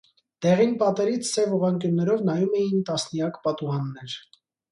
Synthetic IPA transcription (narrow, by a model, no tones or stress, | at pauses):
d̪̥ɛʁinpɑt̪ɛɾit͡sʰsɛvuʁɑŋkjunːɛɾɔvnɑjumɛjint̪ɑsnijɑkpɑt̪uʁɑnːɛɾ